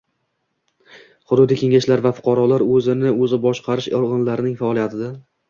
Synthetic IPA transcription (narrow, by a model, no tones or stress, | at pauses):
χʊd̪ʊd̪ikʲe̞ŋaʃlaɾvafʊ̥qʰɑɾɒlaɾɵzɪnɪɵzɪbɒʃqʰɑɾɪʃɒʁɨnlaɾɪnɪŋfaɒlˠijat̪ʰɪd̪a